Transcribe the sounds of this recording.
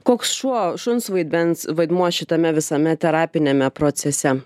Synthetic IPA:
koːksʃuɔʃʊnsʋɐɪd̪ʲmʲɛnsʋɐɪd̪muɔʃʲɪt̪ɐmʲɛʋʲɪsɐmʲɛt̪ʲɛɾɑːpʲɪnʲemʲɛpɾoːt̪sʲɛsʲɛ

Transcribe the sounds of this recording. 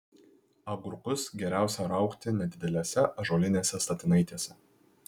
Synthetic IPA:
ɐɡʊɾʊkʊsɡʲɛɾʲæˑʊsʲɛɾɐˑʊkt̪ʲɪnʲɛd̪ʲɪd̪ʲɛlʲeːsʲɛʔɐʒoːlʲɪnʲeːsʲɛst̪ɐt̪ʲɪnɐɪt̪ʲeːsʲɛ

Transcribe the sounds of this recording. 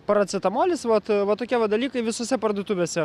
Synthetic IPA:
pɐɾɐt̪sʲɪt̪ɐmoːlʲɪsʋɐt̪ʋɐt̪oːkʲiɛʋɐd̪ɐlʲiːkɐɪʋʲɪsoːsʲɛpɐrd̪uːt̪uʋʲeːsʲɛ

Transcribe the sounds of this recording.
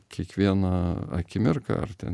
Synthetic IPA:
kʲiɛkʋʲiɛnɐɐ̰kʲɪmʲɪrkɐ̰ɐ̰rt̪ʲɛ̰n

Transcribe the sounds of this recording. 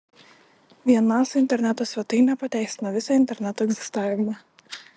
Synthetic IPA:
vʲiɛnasɪnt̪ʲɛɾʲnʲɛt̪ɔsʲʋʲɛt̪ɨjnʲapɐt̪ʲɛjst̪nɐʋʲɪsɐɪnt̪ʲɛɾʲnʲɛt̪ɔɛɡzʲɪ̥st̪aːjʲɪmɐ

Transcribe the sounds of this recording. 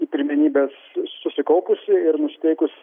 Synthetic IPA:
iːpʲɪɾʲmʲɪnʲiːbʲeːsːʊsʲɪkɐʊpʊsʲɪɪɾnʊsʲɪ̥t̪ʲɛɪkʊs

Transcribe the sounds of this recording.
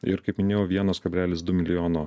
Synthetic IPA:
ɪ̰ɾkɐɪpmʲɪnʲeːjoːʋʲiɛnoːskɐbʲlʲæːlʲɪsd̪ʊmʲɪlʲɪjoːnoː

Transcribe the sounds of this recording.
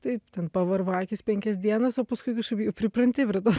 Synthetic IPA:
t̪ɐɪt̪ʲɛnpɐʋɐrʋɑːkʲɪspʲɛŋʲkʲɛsʲd̪ʲiɛnɐsoːpɐskʊɪkʲʊʃkɐpʲjɛʊpʲɾʲɪpɾɐnʲt̪ʲɪpʲɾʲɛt̪oːs

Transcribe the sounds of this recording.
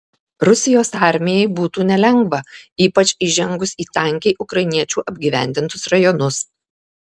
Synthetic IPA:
ɾʊsʲɪjoːsɑˑɾʲmʲɪjɛɪbuːt̪uːnʲɛlʲɛŋɡʋɐiːpɐt͡ʃʲɪʒʲɛŋɡʊsiːt̪ɐˑŋʲkʲeɪʔʊkɾɐɪnʲiɛt͡ʃʲuːʔɐbʲɡʲiːʋʲæ̰ˑnʲd̪ʲɪnt̪ʊsɾɐjɔnʊs

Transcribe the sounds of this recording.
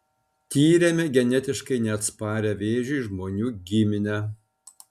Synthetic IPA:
t̪ʲiːɾʲemʲɛɡʲɛnʲɛt̪ʲɪʃkɐɪnʲɛɐt̪spɑːɾʲɛʋʲeːʒʲuːʒmoːnʲuːɡʲɪmʲɪnʲɛ

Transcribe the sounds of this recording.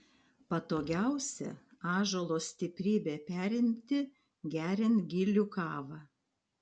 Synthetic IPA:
pɐt̪oːɡʲæˑʊsʲɛ̰ɑːʒoːlˠoːsʲt̪ʲɪpʲɾʲiːbʲeːpʲæːɾʲɪmʲt̪ʲɪ | ɡʲæːɾʲɪnt̪ɡʲɪlʲukɑːʋɑː

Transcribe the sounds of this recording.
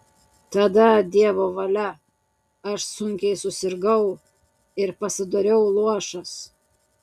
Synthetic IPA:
t̪ɐd̪ɐd̪ʲiɛʋoːʋɐlʲɛ | ɐʃsʊŋʲkʲɛɪsʊsʲɪɾɡɐʊ | ɪɾpɐsʲɪd̪oɾʲɛʊlˠuɔʃɐs

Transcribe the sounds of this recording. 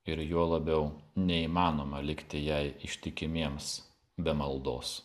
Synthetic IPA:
ɪɾjuɔlˠɐbʲɛʊnʲɛiːmɑːnoːmɐlʲɪkt̪ʲɪjɛɪɪʃʲt̪ʲɪkʲɪmʲiɛms | bʲɛmɐlˠd̪oːs

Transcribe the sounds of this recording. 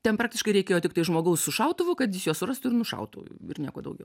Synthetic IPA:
t̪ʲɛnpɾɑːk̚t̪ʲɪʃkɐɪɾʲɛɪkʲeːjoːt̪ʲɪkt̪ɐɪʒmoːɡɐʊssʊʃɐʊt̪ʊʋʊkɐt̪jɪsjuɔsʊrɐst̪ʊɪɾnʊʃɐ̰ʊt̪ʊ̰ɪ̰rnʲiɛkoɔd̪ɐʊɡʲɛʊ

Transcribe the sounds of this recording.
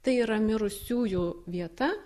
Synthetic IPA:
t̪ɐɪiːɾɐmʲɪɾʊsʲuːjʊːʋʲiɛt̪ɐ

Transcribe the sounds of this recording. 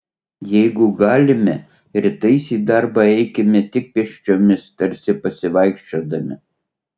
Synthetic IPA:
jɛɪɡʊɡɑːlʲɪmʲɛ | ɾʲɪt̪ɐɪsʲiːd̪ɑɾbɑɛɪkʲɛmʲɪt̪ʲɪk̚pʲɛʃʲt͡ʃʲoːmʲɪst̪ɐɾʲsʲɪpɐsʲɪʋɐɪkʃʲt͡ʃʲoːd̪ɐmʲɪ̰

